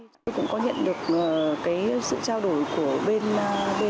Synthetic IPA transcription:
o˧jkʊ̰˧˥ŋ͡mkɔ˨˦ɲə̰˧˨nɗɨ˨˩ək̚ʔəː˨˩kaː˨˦jsɨ̰˧˨t͡ɕaː˧wɗo˧˩jku˧˩əɓe˧nɓe˧

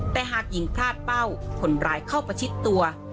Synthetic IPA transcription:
t̪ɛː˨˩ɦaː˨˩k̚ji˨˩˦ŋpʰɾaː˥˩t̪̚pa˥˩wpʰo˨˩˦nɾaː˧jkʰa˥˩wpa˧jt͡ɕʰi˦˥t̪ːu˧ɐ

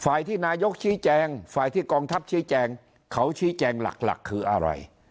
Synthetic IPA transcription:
faː˨˩jt̪ʰiː˥˩naː˧jo˦˥k̚t͡ɕʰiː˦˥t͡ɕɛː˧ŋfaː˨˩jt̪ʰiː˥˩kɔː˧ŋt̪ʰa˦˥p̚t͡ɕʰiː˦˥t͡ɕɛː˧ŋ | kʰa˦˥wt͡ɕʰiː˦˥t͡ɕɛː˧ŋla̰˨˩k̚la̰˨˩kʰːɯː˧ʔa̰˧ɾa̰˧j

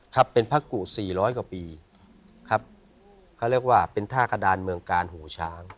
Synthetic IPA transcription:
kʰa˦˥pːe˧npʰa˦˥ku˨˩siː˨˩ɾɔː˦˥jkwaː˨˩piː˧ | kʰa˦˥p̚ | kʰa˦˥˩wɾi˥˩ək̚waː˥˩pe˧nt̪ʰaː˥˩kʰa˧daː˧nmɯ˧əŋkaː˧nɦuː˩˦t͡ɕʰaː˦˥ŋ

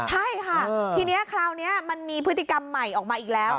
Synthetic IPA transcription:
t͡ɕʰa˥˩jkʰaː˥˩˧t̪ʰiː˧ni˦˥ɐkʰɾaː˧wni˦˥ɐma˧nmiː˧pʰɯ˦˥t̪ːi˨˩ka˧mːa˨˩jʔɔː˨˩k̚maː˧ʔiː˨˩k̚lɛː˦˥w

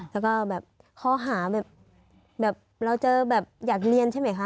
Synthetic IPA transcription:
lɛː˦˥wkɔː˥˩bɛː˨˩p̚ | kʰɔː˦˥ɦaː˩˦bɛː˨˩p̚ | bɛː˨˩p̚ɾa˧wt͡ɕɤː˧bɛː˨˩p̚jaː˨˩k̚li˧ənt͡ɕʰa˥˩jma˦jkʰa˦˥

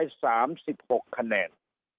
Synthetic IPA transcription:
jsaː˩˦msi˨˩p̚ho˨˩kʰːa˧nɛː˧˩n

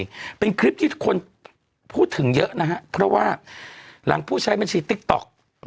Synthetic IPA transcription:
pe˧nkʰɾi˦˥p̚t̪ʰi̥ː˥˩˥kʰu˧ən | pʰuː˥˩t̪ʰːɯ˩˦ŋjɤ˦˥ʔna˦˥ɦa˦˥ʔpʰɾɔ˦˥waː˥˩la̰˩˦ŋpʰuː˥˩t͡ɕʰa˦˥jme˧nsiː˨˩t̪i˦˥k̚t̪ɔ̰˨˩k̚

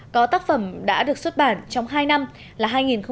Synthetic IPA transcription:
kɔ˨˦t̪aː˦˥k̚fə˧˩mɗa̰ː˧˥ɗɨ˨˩ək̚swə˦˥t̚ɓaː˧˩nt͡ɕɔ˧wŋ͡mɦaː˧jna˧m | laː˨˩ɦaː˧jŋi˨˩nxə˧

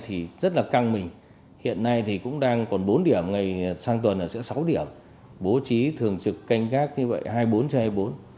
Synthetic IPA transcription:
t̪ʰi˨˩zə˦˥t̚laː˨˩ka˧ŋmï˨˩ŋ̟ | hḭ˧˨ənːa˧jt̪ʰi˨˩kʊ̰˧˥ŋ͡mɗaː˧ŋkɔ˨˩nɓo˨˦nɗi˧˩əmŋa˨˩jsaː˧ŋt̪wə˨˩nʔəː˨˩sɛ̰˧˥sa˨˦wɗi˧˩əm | ɓo˨˦t͡ɕi˨˦t̪ʰɨ˨˩əŋt͡ɕɨ˨˩kːa˧jŋ̟kaː˦˥k̚ɲɨ˧və̰˧˨jhaː˧jɓo˨˦nt͡ɕhaː˧jɓo˨˦n

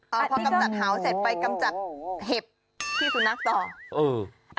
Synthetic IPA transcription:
ʔɔː˧˩pʰɔ˧˥ka˧mt͡ɕa˨˩t̪̚ɦaː˩˦wse˨˩t̪̚pa˧jka˧mt͡ɕa˨˩t̪̚ɦe˨˩p̚ | t̪ʰiː˥˩kʰu˧nːa˦˥˩k̚sɔː˨˩ʔɤː˧˩ | ʔ

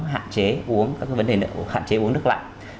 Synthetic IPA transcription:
ɦa̰ː˧˨nt͡ɕe˨˦ʔu˨˦əŋkaː˨˦˥kaː˨˦və˨˦nɗe˨˩˧ha̰ː˧˨nt͡ɕe˨˦ʔu˨˦əŋnɨ˦˥k̚la̰ː˧˨j

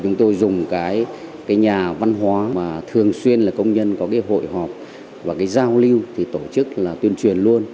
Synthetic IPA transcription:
t͡ɕʊ˨˦ŋ͡mt̪o˧jzʊ˨˩ŋ͡mkaː˨˦jkaː˨˦jɲaː˨˩va˧nɦwaː˨˦maː˨˩t̪ʰɨ˨˩əŋswi˧ənlaː˨˩kə˧wŋ͡mɲə˧nkɔ˨˦kaː˨˦jɦo̰˧˨jɦɔ˨˩p̚ | vaː˨˩kaː˨˦jzaː˧wli˧wt̪ʰi˨˩t̪o˧˩t͡ɕɨ˦˥k̚laː˨˩t̪wi˧ənt͡ɕwi˨˩ənlu˧ən

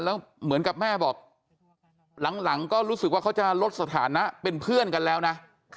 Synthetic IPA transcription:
lɛː˦˥wmɯ˨˩˦ənka˨˩p̚mɛː˥˩bɔː˨˩k̚ | la˩˦ŋla˩˦ŋkɔː˥˩ɾuː˦˥sɯ˨˩k̚wa˥˩a˦˥wt͡ɕa˨˩lo˦˥t̪̚sa˧t̪ʰa̰ː˩˦na˦˥ʔpe˧npʰɯ˥˩ənka˧nlɛː˦˥wna˦˥

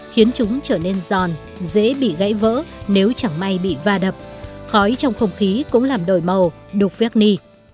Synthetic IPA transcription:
xi˨˦ənt͡ɕʊ˨˦ŋ͡mt͡ɕəː˧˩ne˧nzɔ˨˩n | zḛ˧˥ɓḭ˧˨ɣa̰˧˥jvə̰ː˧˥ne˨˦wt͡ɕa˧˩ŋma˧jɓḭ˧˨vaː˧ɗə˨˩p̚xɔ˨˦jt͡ɕɔ˧wŋ͡mxə˧wŋ͡mxi˨˦kʊ̰˧˥ŋ͡mlaː˨˩mɗo˧˩jmə˨˩w | ɗʊ˨˩k̚vi˦˥k̚ni˧

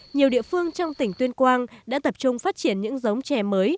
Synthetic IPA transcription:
ɲi˨˩əwɗḭ˧˨əfɨ˧əŋt͡ɕɔ˧wŋ͡mt̪ï˧˩ŋ̟t̪wi˧ənkwaː˧nɗa̰ː˧˥t̪ə˨˩p̚t͡ɕʊ˧ŋ͡mfaː˦˥t̚t͡ɕi˧˩ənɲɨ̰˧˥ŋzə˨˦wŋ͡mt͡ɕɛ˨˩məː˨˦j

